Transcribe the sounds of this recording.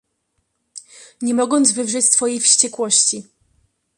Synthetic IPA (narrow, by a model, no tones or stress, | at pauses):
ɲɛmɔɡɔnd̪zvɘvʐɛt͡ɕsfɔjejfɕt͡ɕɛkwɔɕt͡ɕi